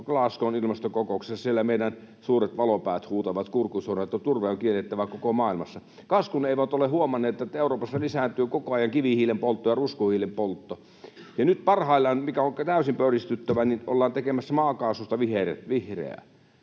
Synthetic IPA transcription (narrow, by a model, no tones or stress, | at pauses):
klɑskonilmɑst̪okokoˑuksesːɑsielːæmeˑidæn | suːret̪ʋɑlopæˑːt̪huːt̪ɑʋɑt̪kurkusoːnɑt̪ːɑt̪urʋeoŋkielːet̪ːæʋækokomɑːilmɑsːɑ | kɑskuneˑiʋæt̪olehuomɑnːˑeːt̪ːˑet̪ːæeˑuroːpɑsːɑlisæˑnt̪yøkokoɑjɑŋkiʋihiːlempolt̪ːojɑruskuhiːlempolt̪ːo | jɑnyt̪̚pɑrhɑˑilːɑnmikæoŋkt̪æˑysimpørist̪yt̪ːæʋænino̰lːɑːnt̪ekemæsːæmɑːkɑːsust̪ɑʋiherḛt̪ʋihrḛæ̰